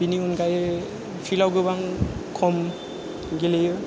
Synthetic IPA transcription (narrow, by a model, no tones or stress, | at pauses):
biniunɡaj | pʰilawɡɯbaŋkʰɔm | ɡilejɯ